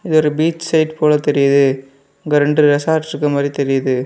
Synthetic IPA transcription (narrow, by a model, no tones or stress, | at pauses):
ɪðɯɔɾɯbiːt͡ʃsɐɪʈpoːlɐt̪ɛɾɪjɐðɯ | ɐŋɡɐɾɛɳɖrɯɾɛsaːɾʈɪɾɯkːɐmaːd̪ɾit̪ɛɾɪjɐðɯ